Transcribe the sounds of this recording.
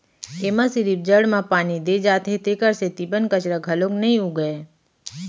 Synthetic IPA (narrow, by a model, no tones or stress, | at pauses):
eːmãsiɾib̚d͡ʒəɽmãpaːnid̪ed͡ʒaːt̪ɦet̪ekəɾset̪ibənkət͡ʃɾəɡʱɐloknəɦĩɦuɡəe